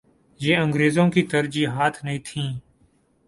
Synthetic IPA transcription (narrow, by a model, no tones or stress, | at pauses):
jeːə̃ŋɡɾeːzõːkiːt̪əɾd͡ʒiːɦaːt̪ʰnəĩːt̪ʰĩː